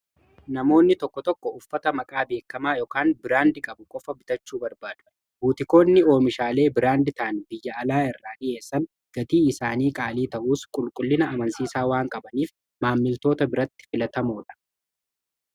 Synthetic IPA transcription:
nɐmo̞ːnːɪt̪ɔkːɔt̪ɔkːɔʊfːɐt̪ɐmɐkʼaːbe̞ːkːɐmaːjɔːkaːnbɪɾaːnd̪ɪkʼɐbʊkʼɔfɐbɪt̪ɐt͡ʃːuːbɐɾbaːd̪ʊ | buːt̪ɪko̞ːnːɪo̞ːmɪʃaːle̞ːbɪɾaːnd̪ɪt̪aːnbɪjːɐɐlaːɪrːaːᶑɪe̞ːsːɐn | ɡ̥ɐt̪iːɪsaːniːkʼaːliːt̪ɐʔuːskʼʊlkʼʊlːɪnɐɐmɐnsiːsaːwaːŋkʼɐbɐniːf | maːmːɪlt̪o̞ːt̪ɐbɪɾɐt̪ːɪ̥fɪlɐt̪ɐmuːᶑɐ̥

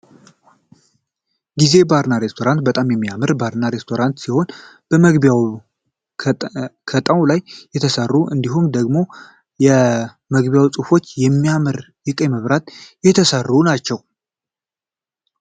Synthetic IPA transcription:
ɡize̞baɾnaɾe̞st̪ʰo̞ɾant̪̚bət̪ʼamjɛmːijamɨɾbaɾnaɾe̞st̪ʰo̞ɾant̪siho̞n | b̥əməɡbjaw | kʰət̪ʼəwlajːɛt̪ʰəsərːuʔɨnd̪iɦumd̪əɡmo̞ | jɛ | məɡβjawsʼufo̞t͡ʃːjɛmːijamɨɾ | jɨkʼəməβɾat̪jɛt̪ʰəsərːunat͡ʃːɛw

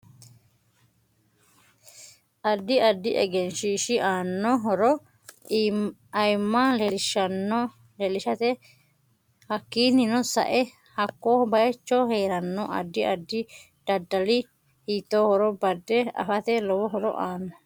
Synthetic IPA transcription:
ʔɐd̪ːɪɐd̪ːɪʔɛ̰ɡɛnʃiːʃɪʔaːnːɔɦɔɾɔ | ɐjmːalɛlɪʃɐnːɔ | lɛlɪʃɐt̪ɛ | hɐkːiːnːɪnɔsɐ̰ʔɛ | hɐkːoːbɐjɛt͡ʃːoːheːɾɐnːɔʔɐ̰d̪ːɪɐd̪ːɪ | d̪̥ɐd̪ːɐlɪ | hiːt̪ːoːhɔɾɔbɐd̪ːɛɐ̰fɐt̪ɛlɔwɔɦɔɾɔ̰ʔaːnːɔ

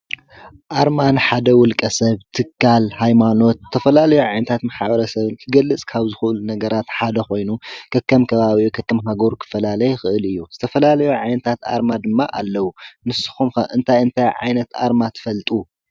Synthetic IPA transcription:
ʔaɾmanħad̪ɐwʊlkʼɐsɐβt̪ʰɨkʰːalhajmano̞t̪̚ʰːɐfɐlalɐjuʕajnɐt̪ʰat̪maħaβɐɾɐsɐβɨnkʰɨɡɐlːɨt͡sʼkʰaβzɨxuʔɨlunɐɡɐɾat̪ħad̪ɐxo̞jnukʰɐkːɐmkʰɐβaβiukʰɐkːɐmɦaɡo̞ɾkʰɨ̥fɐlalɐjxɨʔɨlɨjːuz̥ɨt̪ʰɐfɐlalɐjuʕajnɐt̪ʰat̪a̰ɾmad̪ɨmːa̰ʔalːɐwunɨsɨ̥xumxɐʔɨnt̪ʰajɨnt̪ʰajʕa̰jnɐt̪ʔa̰ɾmat̪ʰɨ̥fɐlt̪ʼu

